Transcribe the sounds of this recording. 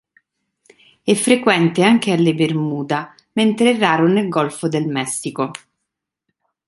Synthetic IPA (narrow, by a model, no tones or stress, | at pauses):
ɛfːɾekwɛnt̪eaŋk̟ealːebermuːd̪a | ment̪ɾeɛrːaːɾonelɡɔlfod̪elmɛsːiko